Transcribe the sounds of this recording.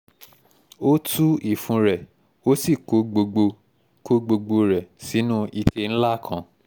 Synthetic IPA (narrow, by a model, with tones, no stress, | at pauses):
o˦tu˦i˨fũ˨˧˦ɾɛ˨ | o˦si˦˨ko˨˦ɡ͡bo˧ɡ͡bo˧ | ko˦ɡ͡bo˧ɡ͡bo˧ɾɛ˨si˨˦nũ˦i˧kʰe˧n̩˦la˦˨kʰã˨